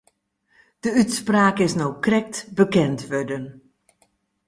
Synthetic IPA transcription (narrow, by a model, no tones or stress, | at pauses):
d̥əytspraːkɪsnowkrɛk̚tbəkɛntʋødən